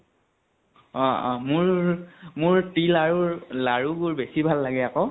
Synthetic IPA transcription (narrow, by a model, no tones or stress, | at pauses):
ɔɔ̰̃mʊɹmʊɹtilaɹuɹlaɹubʊɹbesibʱalːaɡɛakɔ